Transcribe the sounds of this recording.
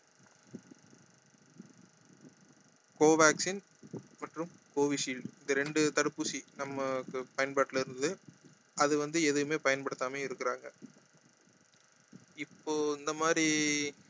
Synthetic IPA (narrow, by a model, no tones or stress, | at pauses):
koːʋaːksin | mɐʈrɯmkoːʋiʂiːlɪnd̪ɐɾɛɳɖɯt̪ɐɽɯpːuːsinɐmːɐkːɯpɐjɐnpaːʈːɪlɪɾɯnd̪ɯ | ʔɐðɯʋɐnd̪ɯɛðɯɣɯmeːpɐjɐnpɐɽɯt̪ːaːmeːɪɾɯkːɪɾaːŋɡɐ | ɪpːoːɪnd̪ɐmaːd̪ɾi